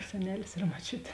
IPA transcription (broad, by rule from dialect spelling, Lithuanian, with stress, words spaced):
sʲɛˈnʲæːlʲɪs ɪr moːˈt͡ʃʲʊtʲ